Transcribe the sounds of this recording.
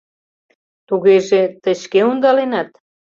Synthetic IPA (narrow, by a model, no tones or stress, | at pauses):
t̪uɣeʒet̪əɕkeund̪ɑlenɑt̪̚